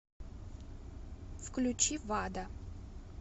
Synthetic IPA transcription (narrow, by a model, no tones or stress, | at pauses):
fklʲut͡ɕivad̪ɐ